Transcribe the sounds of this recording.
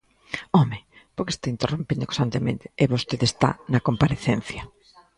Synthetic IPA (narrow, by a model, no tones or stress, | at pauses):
ɔmẽ | poɾke̥st̪aint̪erompind̪okost̪ant̪emḛ̃nt̪e̥ːβost̪eðest̪a̰nɐkompaɾeθen̟θjɐ